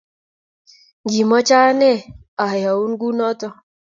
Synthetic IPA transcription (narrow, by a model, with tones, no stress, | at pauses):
ɡi˨mɔ˦t͡ʃa˦nɛ˦ | a˨ja˨u˦nɡu˦nɔ˦t̪ɔ˦